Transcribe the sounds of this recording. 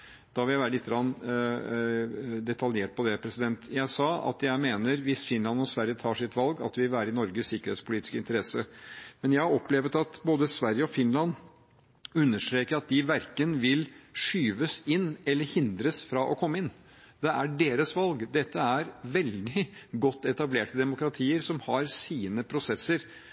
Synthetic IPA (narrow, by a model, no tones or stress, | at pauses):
d̪̥ɑʋɪljæʋæːɾəɪt̪ːɡɾɑn | d̪ɛt̪ʰɑljeːʈ̚pʰɔd̪ɛpʰɾɛsɪd̪ɛnt̪jæɪsɑːɑ̰t̪jæɪmeːnəɾʋɪsfɪnlɑnɔsʋæɾjət̪ʰɑːʂɪt̪ːʋɑlɡɑ̰t̪̚d̪ɛʋɪlʋæːɾəɪnɔɾɡəssɪkːəɾeːt̪spʰʊliːt̪ɪ̥skəɪnt̪əɾɛsəmɛnjæɪhɑɾɔpːleːʋət̪ɑt̪boːd̪əsʋæɾjəɔfɪnlɑn | ʉnːəʂʈɾeːkəɾɑt̪̚d̪ɪʋæɾkənʋɪlʂyːʋəsɪnːɛlːəɾhɪnd̪ɾəsfɾɑʔɔkʰɔmːəɪn | d̪̥ɛʔæɖeːɾəsʋɑlɡd̪ɛt̪ʰːəæɾʋɛld̪ɪɡɔt̪ːɛt̪ɑbleːʈəd̪ɛmʊkɾɑt̪ʰiːəɾsɔmhɑɾsiːnəpʰɾʊsɛsːəɾ